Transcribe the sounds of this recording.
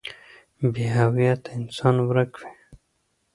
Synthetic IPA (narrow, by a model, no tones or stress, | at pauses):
biɦawijat̪aɪnsɑnwɾakwe